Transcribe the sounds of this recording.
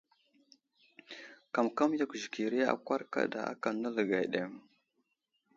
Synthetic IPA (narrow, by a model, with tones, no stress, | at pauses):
ka˨mka˦m˦ja˦kʷʒi˨ki˨ɾi˦a̰˨kʷa˦ɾka̰˦da˨a̰˦ka˨nːa˦lə˨ɡa˨ɗe˨m